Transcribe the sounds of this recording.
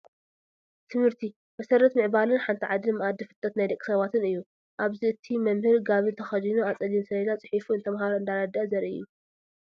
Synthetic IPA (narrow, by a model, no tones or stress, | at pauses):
t̪ʰɨmhɨɾt̪ʰi | mɐsɐɾɐt̪mɨʕbalɨnħant̪ʰiʕad̪ɨmɨʔad̪ːifɨt̪ʼːɐt̪najd̪ɐkʼːi̥sɐβat̪ʰɨnɨjːu | ʔaβziɨt̪ʰimɐmhɨɾɡaβɨnt̪ʰɐxɐzinuat͡sʼɐlinsɐlɐnat͡sʼɨ̥ħifuɨnt̪ʰɐmɦaɾoɨnd̪aɾɐd̪ɐʔɐzɐɾʔɨ̰jːu